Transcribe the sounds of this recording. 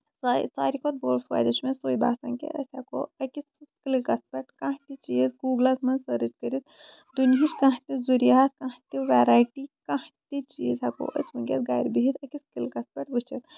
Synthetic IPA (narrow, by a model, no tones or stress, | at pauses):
sasaːɾikʰot̪̚boːlfa̰ːjd̪ɐt͡ʃmẽsoːiba̰ːsɐŋkḛʔɐ̰sʲako̰ɐkissklikɐspɐʈkãt̪it͡ʃizɡuːɡlasmɐnsɐɾɨt͡ʃkəɾit̪ | d̪unɦit͡ʃkãɦt̪ʲizuɾijaːt̪kaɦt̪iʋɛːɾaːjʈikãht̪ʲit͡ʃiːzako̰ʔɐ̰smɐŋkʲḛt̪ɡaːjɾbiɦit̪ɐkiskilkɐspɐʈʋɨt͡ʃit̪